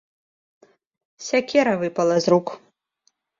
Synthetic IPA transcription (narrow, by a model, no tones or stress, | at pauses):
sʲakʲʰeɾavɨpʼalˠazrukʷʰʼ